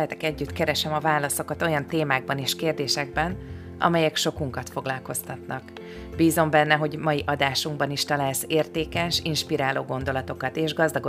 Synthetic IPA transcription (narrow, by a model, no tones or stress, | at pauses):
ɦɛt̪ɛkɛɟːyt̪kɛɾɛʃɛmɒvaːlɒso̞kɒt̪o̞jɒnt̪eːmaːɡ̚bɒneːʃkeːrd̪eːʃɛɡ̚bɛn | ɒ̰mɛjɛkʃo̞kuŋkɒt̪fo̞ɡlɒlko̞st̪ɒt̪nɒk | biːzo̞mbɛnːɛɦo̞ɟmɒjiʔɒd̪aːʃuŋɡbɒniʃt̪ɒlaːlseːrt̪eːkɛʃinʃpiɾaːloːɡo̞nd̪o̞lɒt̪o̞kɒt̪eːʒɡɒzd̪ɒɡo